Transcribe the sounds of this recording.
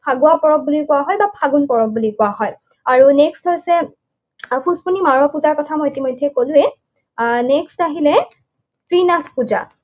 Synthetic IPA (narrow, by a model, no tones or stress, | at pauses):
pʰaɡʊwapɔɹɔk̚bulikʊwaɦɔjbapʰaɡunpɔɹɔk̚bulikʊwaɦɔj | aɹunɛksthojsɛ | pʰuspunimaɹɔpuzaɹkɔtʰamɔjitimɔjdʱːɛkolʊ̃ɛ | nɛkstaɦilɛ | tɹinatʰpuza̰